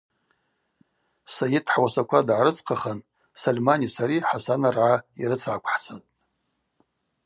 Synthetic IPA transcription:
sajitʰħwasakʷʰadʕaɾɨt͡sʰʼqʰaχan | salʲmanisaɾiħasanarʕaiɾɨt͡sʰʕakʷʰħt͡sʰatʼ

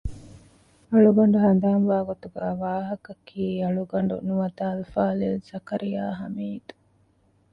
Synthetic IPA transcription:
ɐɭuɡɐɳ̆ɖuɦɐnd̪aːnʋaːɡot̪uɡæːʋaːɦɐkɐkʰiːɐɭuɡɐɳ̆ɖṵnuʋɐt̪aːlufaːlilsɐkɐɾijaːɦɐmiːd̪u̥

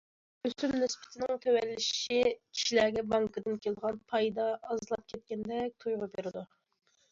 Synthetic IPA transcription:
øsymnɪspʰɪ̥t̪ʰɪnɪŋt̪ʰøwɛlːɪʃʃikʲʰi̥ʃilæːɡʲɛbɑŋkɨd̪ɨnkʲelˠd̪əʁɑnpʰɑjd̪ɑːzlˠɑp̚kʲʰɛt̪̚kʲɛnd̪ɛk̚ʲt̪ʰujʁʊbeɾɪd̪u

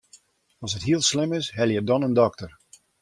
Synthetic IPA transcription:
ɔsɦətɦiəlˠslɪmɪsɦɛlˠjədɔnəndɔktər

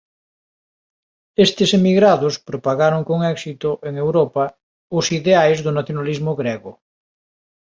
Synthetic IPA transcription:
est̪ɪsemiɣɾaðospɾopaɣaɾoŋkoŋɛksit̪ʊʔeŋewɾopɐ | ʊsiðeajzðʊnaθjonalizmoɣɾɛɣʊ

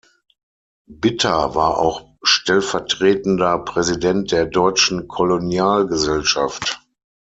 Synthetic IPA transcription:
bɪtʰɐvaːɐʔa̰ʊx | ʃtɛlfɛɐtʁ̥eːtn̩dɐpʁ̥ɛzidɛnt̚d̥eːɐdɔʏt͡ʃn̩kʰolonjaːlɡəzɛlʃaft

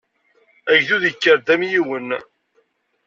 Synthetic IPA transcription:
æʝðuðikːəɾd̪æmjiwən

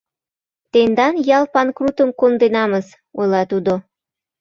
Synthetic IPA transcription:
t̪end̪ɑnjɑlˠpɑnkrut̪əmkond̪enɑməz | ojlɑt̪ud̪o

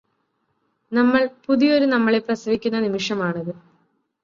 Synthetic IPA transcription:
nɐmːɐɭpuðijo̞ɾunɐmːɐɭeprɐsɐʋikʲːunːɐnimiʂɐmaːɳɐðɨ

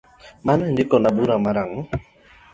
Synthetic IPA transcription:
manɛndikɔnabuɾamaɾaŋ

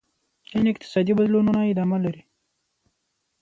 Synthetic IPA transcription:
inɪkt̪ɪ̥saːd̪ibəd̪lununaid̪aːmalɐɾi

